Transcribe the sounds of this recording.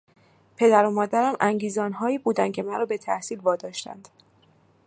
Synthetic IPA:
pʰe̞d̪æɾomɒːd̪æɾæmʔæŋɟiːzɒːnɦɒːiːbuːd̪æn̚cʰe̞mæɾɒːbe̞t̪ʰæhsiːlvɒːd̪ɒːʃt̪æ̰nd̪̥

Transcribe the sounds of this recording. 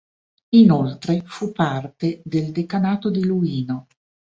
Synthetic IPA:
inolt̪ɾefupːart̪ed̪eld̪ekanaːt̪od̪iluiːno

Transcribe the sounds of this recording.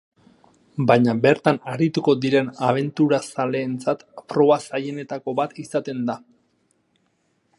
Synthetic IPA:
bajɲabe̞ɾt̪anaɾit̪uko̞d̪iɾe̞naβ̞e̞nt̪uɾasale̞ːnt͡sat̪pɾo̞βasaje̞ne̞t̪ako̞βat̪isat̪e̞nd̪a

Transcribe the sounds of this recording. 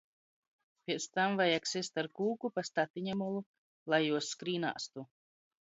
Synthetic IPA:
pʲiɛt̪st̪amvajaksist̪aɾkuːkupast̪at̪iɲamɔlˠu | lˠajːuɔsːkɾiːna̰ːst̪u

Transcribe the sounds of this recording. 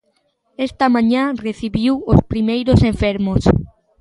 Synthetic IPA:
est̪amãɲãreθiβiwospɾimejɾoseɱfeɾmos

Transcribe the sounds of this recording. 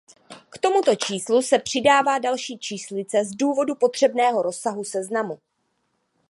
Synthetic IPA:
kt̪o̞mut̪o̞t͡ʃiːslusɛpr̝̥ɪdaːvaːdalʃiːt͡ʃiːslɪt͡sɛzduːvo̞dupo̞t̪r̝̥ɛbnɛːɦo̞ɾo̞sːaɦusɛznamu

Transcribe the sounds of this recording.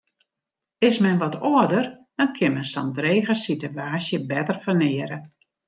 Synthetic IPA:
ɪsmɛnʋɔtoədərd̥ɔnkʰɪnmɛnsɔ̰ndreːɣəsituaːsjəbɛtərfərnɪəɾə

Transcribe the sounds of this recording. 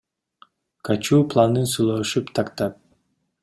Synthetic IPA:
kʰat͡ʃuːplˠanɯnsulˠɑʃupt̪ʰɑkt̪ɑp̚

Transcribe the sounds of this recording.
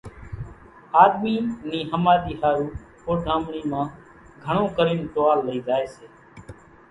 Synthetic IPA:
aːd̪miːniːɦəmaːd̪iːhaːjuː | poːʈãːmɳiːmãː | ɡʱəɳ̃õːkəɾiːnʈ̪oːaːlːəiːd͡ʒaːeːseː

